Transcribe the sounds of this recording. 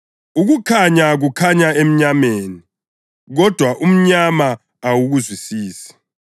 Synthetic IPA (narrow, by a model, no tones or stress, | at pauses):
uɣukʰaɲaɣukʰaɲaem̩ɲameːni | ɣɔd̥ʱwaʔum̩ɲamaː | wuɣuzwisiːsi̥